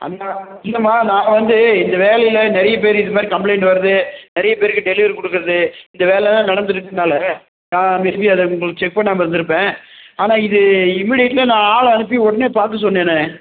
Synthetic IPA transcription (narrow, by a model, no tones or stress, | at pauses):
ʔɐ̰naː | ɪlːɐmaːnãːʋɐnd̪ɯɪnd̪ɐʋeːlɐjɪlɐnɛɾɐjɐpeːɾɪðɐmaːd̪ɾikɐmpleɪɳʈʋɐɾɐðɯnɛɾɐjɐpeːɾɯkːɯɖɛlɪʋɐɾkɔɽɯkːɯɾɐðɯɪnd̪ɐʋeːlɛlt̪ãːnɐɽɐnd̪ɯɾɯkːɯnːaːlɐ | nãːmɪɾɯbiɐðɐʊŋɡɐɭɯkːɯt͡ʃɛk̚pɐnːaːmɪɾɯnd̪ɯɾɯpːẽːaːnaːɪðɯɪmːɪɽɪjɐʈːɪlɐnãːaːlɐɐnɯp̬ːiɔɽɐneːpaːɾkɯs̬ɔnːeːnɯ